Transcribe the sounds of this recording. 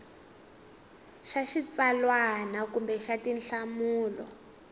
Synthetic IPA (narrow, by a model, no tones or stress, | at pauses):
ʃaʃit͡salwanakumbɛʃatinɬamuːlɔ̰